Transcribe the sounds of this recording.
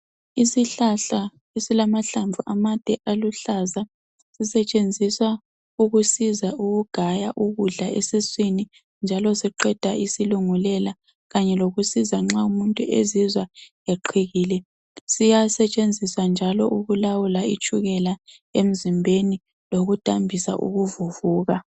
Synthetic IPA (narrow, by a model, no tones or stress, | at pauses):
isiɬaɬa | esilamaɬaɱvʱuʔamad̥ʱɛʔaluɬaza | sisɛt͡ʃʼend͡zʱiswa | uɣusizaʔuɣuɡ̥ʱajaʔuɣuɮaesiswini | nd͡ʒʱalɔsiǃɛd̥ʱaʔisiluŋulɛla | ɣaɲɛloɣusizaŋ͡ǁaumuntʼuʔezizwa | eǃʰiɣiːlɛ | sijasɛt͡ʃʼend͡zʱiswand͡ʒʱalɔ̰ʔuɣulawulait͡ʃʰʼuɣɛla | em̩zimbʱeni | loɣud̥ʱambʱisa̰ʔṵɣuvuvuːɣa